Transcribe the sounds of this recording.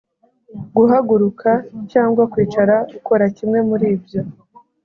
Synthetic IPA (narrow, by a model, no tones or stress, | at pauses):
ɡuɦaɡuɾukʰacaːŋɡwakwiːt͡ʃaɾaɡuko̞ɾacimŋe̞muɾiːbjo̞